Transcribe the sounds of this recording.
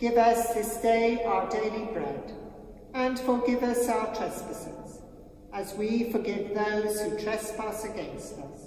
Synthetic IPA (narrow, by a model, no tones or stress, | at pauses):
ɡ̥ɪvʌsðɪsd̥eɪaʊə˞deɪlˠibɹɛ̰d | ə̃nfə˞ɡɪvʌsaʊə˞tʰɹ̥ɛspɨsɨ̰̃nz̥ | əzwifə˞ɡɪvðoʊz̥hʉtʰɹ̥ɛspʌsɨɡɛ̃nstʌ̰s